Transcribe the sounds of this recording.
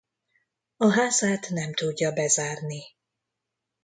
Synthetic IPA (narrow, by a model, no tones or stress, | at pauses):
ɒɦaːzaːt̪nɛmt̪uɟːɒbɛzaːrni